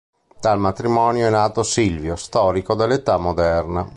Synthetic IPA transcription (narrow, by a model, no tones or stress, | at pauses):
t̪almat̪ɾimɔːnjoɛnːaːt̪osilvjost̪ɔːɾikod̪elːet̪amːod̪ɛrna